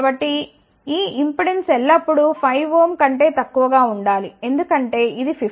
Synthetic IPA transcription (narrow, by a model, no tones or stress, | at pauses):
bɐʈːi | iːimpiɽensɛlːɐpːuɽupʰɐjʋoːmkɐɳʈe̞ːt̪ɐkːuʋɐɡaːuɳɖaːlie̞nd̪ukɐɳʈe̞ːʔid̪ipʰi